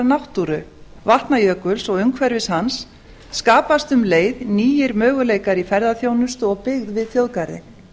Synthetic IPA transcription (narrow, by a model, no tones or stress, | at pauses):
nawht̪uɾʏ | vaht̪najœːkʏlsɔɣʏŋkʰvɛɾvɪshansː | kaːpast̪ʏmleːjðniːjɪɾmœːɣʏleːjkaɾifɛɾðaθjownʏst̪ɔɣpɪɣðvɪðθjowðkaɾɪ̰